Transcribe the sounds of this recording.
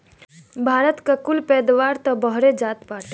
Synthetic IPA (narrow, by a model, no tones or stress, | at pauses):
bʱaːɾət̪kakʊlpɛːd̪ʋaːɾt̪ɔbəɦɾed͡ʒaːt̪paːʈ